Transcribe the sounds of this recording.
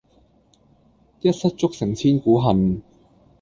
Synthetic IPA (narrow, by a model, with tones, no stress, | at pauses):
jɐ˥t̚sɐ˥t̚t͡sʊ˥k̚sɪ˨˩ŋt͡sʰiː˥nkuː˨˥ɦɐ˨n